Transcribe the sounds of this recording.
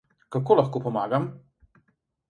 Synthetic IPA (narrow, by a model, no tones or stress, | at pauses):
kakoːlaxkoːpɔmaːɡam